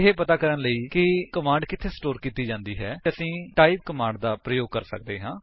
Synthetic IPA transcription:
ɪɦeːpət̪aːkəɾənləiːkɪkəmãːɳɖkɪt̪ʰːeːsʈoːɾkiːt̪iːd͡ʒãːnd̪iːɦɛːəsĩːʈaːiːd̪̚kəmãːɳɖd̪aːpɾəjoːɡ̚kəɾsə̰k̚d̪eːɦãː

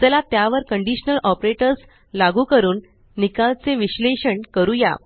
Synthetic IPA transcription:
t̪əlat̪jaʋəɾkəɳɖiɕnəlʔɔpɾeʈəɾs | laɡuːkəɾuːnː | ikalt͡seʋiɕleɕəɳkəɾuja̰

